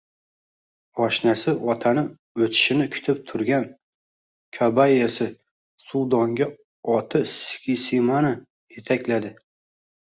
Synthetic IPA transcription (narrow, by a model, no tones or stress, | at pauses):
ɒʃnasɪɒt̪ʰanɪ | ɵt̪ʰɪ̥ʃɪnɪkʲʰʊ̥t̪ʰɪp̚t̪ʰʊɾɡʲan | kʰabajasɪ | sulˠd̪ɒŋɡʲa | ɒt̪ʰɪskʲʰisimana | et̪ʰakʲlad̪ɪ